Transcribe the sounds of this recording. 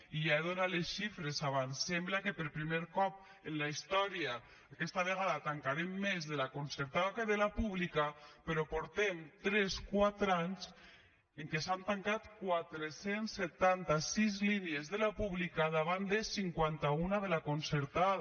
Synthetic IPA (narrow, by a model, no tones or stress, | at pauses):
ijaeðonalesʃifɾesaβansemblakepeɾpɾimeɾkɔp̚ | enlaist̪ɔɾiaː | kɛst̪aβ̞eɣ̞aðat̪aŋkaɾemːezðelakonseɾt̪aðakeðelapuβlikapeɾɔpoɾt̪emt̪ɾɛskwat̪ɾaɲz | eŋkesant̪aŋkat̪kwat̪ɾesensːet̪ant̪asizliniezðelapuβlikaðaβ̞and̪esiŋkwant̪aunaðelakonseɾt̪að